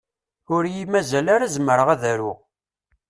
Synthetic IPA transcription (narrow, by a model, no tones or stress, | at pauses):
ʊɾjimæzælaɾæzməɾəʁæðæɾu